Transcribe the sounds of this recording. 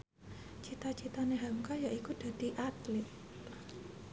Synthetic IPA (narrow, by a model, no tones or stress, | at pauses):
t͡ʃit̪at͡ʃit̪aneɦamkajaʔikud̥a̤d̪̥i̤ʔat̪lɪt̪̚